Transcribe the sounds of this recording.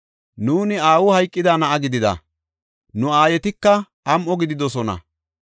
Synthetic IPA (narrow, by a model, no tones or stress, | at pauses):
nuːnɪaːwʊhɐjkʼːɪd̪anɐʔɐɡɪd̪ɪd̪ɐ̰ | nʊaːjɛt̪ɪkːɐ | ʔɐmʔɔɡɪd̪ɪd̪ɔsɔnɐ̰